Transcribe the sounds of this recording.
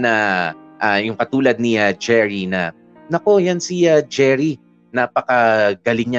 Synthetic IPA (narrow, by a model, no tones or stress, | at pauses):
nɐʔajʊŋkɐt̪uːlɐd̪̚niɐd͡ʒɛɹinɐ | nɐko̞jansiad͡ʒɛɹi | naːpɐkɐɡɐlɪŋɲa